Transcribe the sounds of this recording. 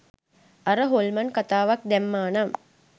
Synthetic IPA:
aɾəɦolmankat̪aːʋak̚d̪ɛmːaːnam

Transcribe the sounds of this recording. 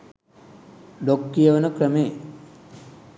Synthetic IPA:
lokːijəʋənəkrəme

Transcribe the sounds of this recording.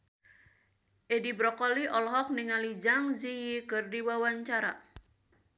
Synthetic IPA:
ʔɛdibɾɔkɔliʔɔlɔɦɔk̚niŋalid͡ʒaŋzijikɨrdiwawaɲt͡ʃaɾa̰

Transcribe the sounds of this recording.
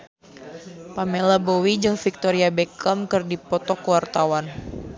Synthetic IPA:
pamelabowid͡ʒɨŋfik̚t̪ɔɾiabɛkəmkɨrdipɔt̪ɔkəwart̪awan

